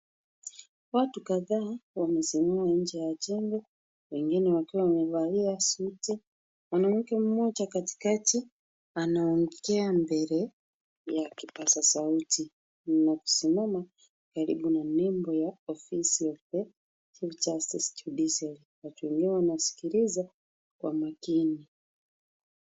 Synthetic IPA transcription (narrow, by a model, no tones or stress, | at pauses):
watukaðaːwamɛsimamaɲ̩d͡ʒɛjat͡ʃɛŋɡɛ | wɛŋɡinɛwakiwawamɛvaliasuti | wanam̩kɛmumɔt͡ʃakati̥kati | anaɔŋɡikɛambɛɾɛ | jakipasasauti | naku̥simama | kaɾḭɓunanɛmbɔjaɔfisijɔpɛ | t͡ʃift͡ʃastistudisaliwatuwɛŋɡinɛwanasi̥kiɾiza | kwa̰makini